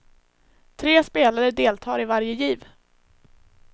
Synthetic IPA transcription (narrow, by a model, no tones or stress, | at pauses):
t̪ʰɾeːspeːlaɾəd̪eːlt̪ʰɑːɾɪvaɾjəjiːv